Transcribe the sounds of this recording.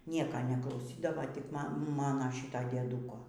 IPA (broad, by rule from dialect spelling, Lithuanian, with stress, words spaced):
ˈnʲiɛkɐ nʲɛklˠɐʊˈsʲiːdɐʋɐ tʲɪk ˈmɐ ˈmɑːnoː ˈʃʲiːtoː dʲiɛˈduːkoː